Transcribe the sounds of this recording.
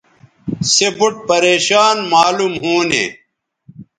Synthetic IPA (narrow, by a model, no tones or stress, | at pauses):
sebuʈ̚pɐɾeːɕaːnmaːlumɦuːnḛ